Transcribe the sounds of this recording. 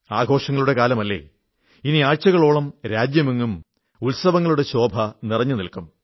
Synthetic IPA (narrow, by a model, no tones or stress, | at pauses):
aːɡʱo̞ːʂɐŋːɐɭuɽe̞kaːlɐmɐlːe̞̰ː | iniaːɻt͡ɕːɐɣɐɭoːɭɐmɾaːd͡ʑjɐmeŋːum | ulsɐʋɐŋːɐɭuɽe̞ɕo̞ːbʱɐnirɐɲːɨnilkum